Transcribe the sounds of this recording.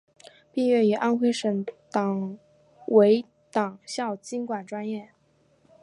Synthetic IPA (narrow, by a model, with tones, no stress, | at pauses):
pi˥˧ɥɛ˥˩y˨˥˩ʔa˥nxʰwe˥˩ɪʂɤ˧˥ŋt̪ɑ˨˩ŋ | we˧˥ɪ | t̪ɑ˨˩ŋɕjɑ˥˩ʊt͡ɕi˥nkwa˨˩nʈ͡ʂwa˥njɛ˥˩